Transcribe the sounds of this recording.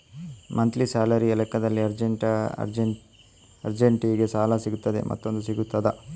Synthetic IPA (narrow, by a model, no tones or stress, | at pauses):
mʔɐnt̪lisaːlɐɾiɐlɛkːɐd̪ɐlːiɐɾd͡ʒeʈɾ | ɐɾd͡ʒeɳʈiɡesaːlɐsiɡut̪ːɐd̪ḛmʔɐ̰t̪ːo̞nd̪usiɡut̪ːɐd̪ɐ